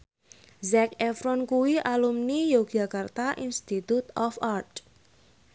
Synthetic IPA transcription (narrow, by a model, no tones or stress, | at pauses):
zɛkɛfɾɔnkuwiʔalumnijoɡ̥akart̪aʔinst̪it̪ut̪ɔfart̪